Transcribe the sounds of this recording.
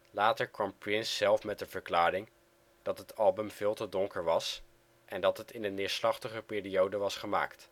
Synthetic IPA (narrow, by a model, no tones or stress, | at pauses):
laːtəɹkʋɑmprɪnsːɛlˠfmɛt̚dəv̥əɹklaːɾɪŋ | d̥ɑtɦətɑlˠbəmvɪːlˠtədɔŋkəɹʋɑs | ʔɛndɑtɦətɪnənːɪːɹslɑχtəχəpɪːriowdəʋɑsχəma̰ːkt